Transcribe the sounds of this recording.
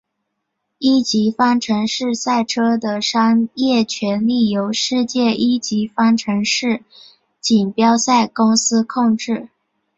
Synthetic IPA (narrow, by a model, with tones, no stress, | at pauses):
i˥t͡ɕi˧˥fɑ˥ŋʈ͡ʂʰɤ˧˥ŋʂɻ̩˥˧sa˥˩ɪʈ͡ʂʰɤ˥d̪ə˨ʂɑ˥ŋjɛ˥˩t͡ɕʰɥɛ˧˥nli˥˩jo˧˥ʊʂɻ̩˥˧t͡ɕjɛ˥˩ʔi˥t͡ɕi˧˥fɑ˥ŋʈ͡ʂʰɤ˧˥ŋʂɻ̩˥˩ | t͡ɕi˨˩npjɑ˥ʊsa˥˩ɪkʊ˥ŋsɹ̩˥kʰʊ˥˧ŋʈ͡ʂɻ̩˥˩